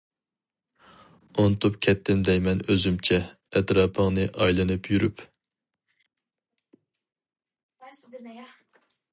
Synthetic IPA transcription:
ont̪ʰupkʲʰɛt̪ːɪmd̪ɛjmɛnøzymt͡ʃʰɛ | ɛt̪ɾɑːpʰəŋnɨʔɑjlˠɨnɨpʰjyɾyp

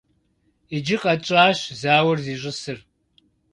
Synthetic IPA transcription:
id͡ʒɪqʼɐt͡ʃʼaːɕzaːwɐrziːɕʼɪsɨr

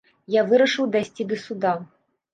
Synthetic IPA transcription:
javɨɾɐʂɨwd̪ajsʲt͡sʲid̪ɐsud̪a

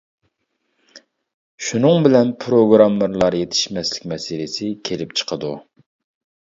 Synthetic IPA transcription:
ʃunɨŋbɪlɛnpʰɾoɡɾɑmːɨɾlˠɑɾjet̪ʰɪ̥ʃmɛslɪ̥kʲmɛsɪlɪsɪkʲʰelɪp̚t͡ʃʰə̥qʰəd̪u

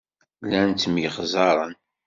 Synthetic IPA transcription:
lænt̪mjəχzˤɑɾˤən

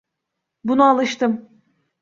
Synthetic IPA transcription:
bunualˠɯʃt̪ɯm

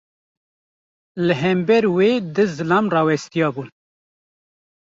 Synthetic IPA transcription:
lɨɦɛmbɛɾweːd̪ɨzɨlɑːmrɑːwɛst̪ijɑːbun

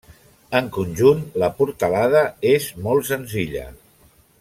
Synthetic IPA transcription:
əŋkunʲʒunləpuɾt̪əlað̞əezmɔlˠsənziʎə̰

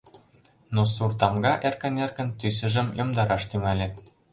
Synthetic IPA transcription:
nosurt̪ɑmɡɑʔerkə̆nerkə̆nt̪ys̬ə̆ʒə̆mjomd̪ɑɾɑʃt̪yŋælʲet̪

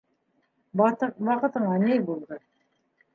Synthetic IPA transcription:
t̪ɤwɑqɤ̆t̪ɤ̆ɴɑnɘjbulˠd̪ɤ

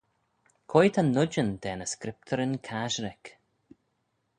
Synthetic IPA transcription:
kʰojt̪ʰanʊd͡ʒənd̪ɛːnəskɾɪp̚t̪ʰəɾɪnkʰaʒɾɪk

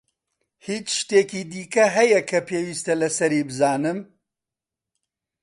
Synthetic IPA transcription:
hiːt͡ʃʃt̪eːkid̪iːkɐɦɐjɐkʰɐpʰeːwiːst̪ɐlɐsɐɾiːbɨzaːnɨm

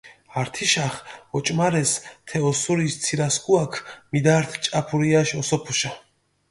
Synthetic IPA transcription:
aɾt̪ʰiʃaχɔt͡ʃʼmaɾɛst̪ʰɛɔsuɾist̪sʰiɾaskuakʰmid̪aɾt̪ʰt͡ʃʼapʰuɾiaʃɔsɔpʰuʃa

